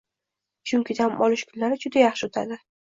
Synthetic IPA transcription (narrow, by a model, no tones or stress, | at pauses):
t͡ʃʰʊŋkʲɪd̪amɒlɪʃkʰʊnlaɾɪd͡ʒʊd̪ajaχʃɪʊt̪ʰad̪ɪ